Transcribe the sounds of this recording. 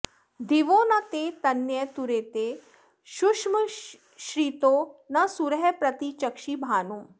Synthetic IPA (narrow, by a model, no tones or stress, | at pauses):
d̪ʱiʋoːnɐt̪et̪ɐnjɐjt̪uɾeːt̪e | ʃukʂm | ʃɾiːt̪onɐsuɾɦɛpɾɐt̪it͡ʃɐkʃibʱaːnu